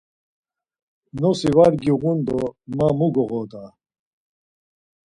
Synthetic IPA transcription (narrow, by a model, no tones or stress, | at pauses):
nosiwaɾɡiɣund̪omamuɡoʁod̪a